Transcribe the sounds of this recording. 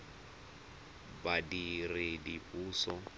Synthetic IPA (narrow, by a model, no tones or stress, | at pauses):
badirɪdiuːsɔ